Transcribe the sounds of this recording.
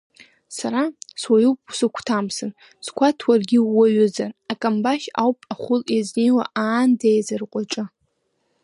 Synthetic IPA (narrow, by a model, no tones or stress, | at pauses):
saɾaswajuwpʼu̥sɨkʷʰtʰamsɨn | skʷʰatʰwarɡʲɪːaɥʊzarakʼambaʃa̰wpʼaχʷʊlezniwaʔaːndejzɨrqʷʼaʈ͡ʂʼɨ